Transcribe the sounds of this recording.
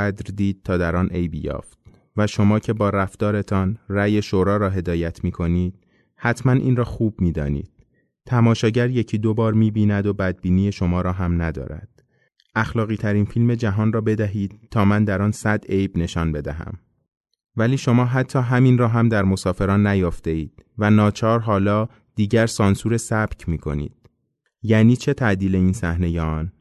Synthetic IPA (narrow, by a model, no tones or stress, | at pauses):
æd̪ɾd̪iːd̪̚t̪ʰɒːd̪æɾɒːnʔe̞jbjɒ̰ːft̪̚ | væʃo̞mɒːcʰe̞bɒːɾæft̪ɒːɾe̞t̪ʰɒːnræːje̞ʃoɾɒːɾɒːɦe̞d̪ɒːjæt̪ʰmiːkʰo̞niːd̪̥̚ | hæt̪ʰmænʔḭːnrɒːxuːbmiːd̪ɒ̰ːnḭːd̪̥̚ | t̪ʰæmɒːʃɒːɟæɾje̞cʰiːd̪obɒːɾmiːbiːnæd̪obæd̪̚biːniːje̞ʃo̞mɒːɾɒːɦæmnæd̪ɒ̰ːɾæ̰d̪̥ | ʔæxlɒːɣiːt̪ʰæɾiːnfilme̞d͡ʒæɦɒːnrɒːbe̞d̪æɦiːd̪̥̚t̪ʰːɒːmænd̪æɾɒːnsæd̪ejbne̞ʃɒːnbe̞d̪æɦæ̰m | væliːʃo̞mɒːɦæt̪ʰːɒːɦæminrɒːɦæmd̪æɾmo̞sɒːfe̞ɾɒːnːæjɒːft̪e̞iːd̪̥̚vænɒːt͡ʃʰɒːɾɦɒːlɒː | d̪̥iːɟæɾsɒːnsuːɾesæb̥cʰmiːkʰo̞̰nḭːd̪̥̚ | jæːniːt͡ʃʰe̞t̪ʰæʔd̪iːle̞iːnsæhne̞jːn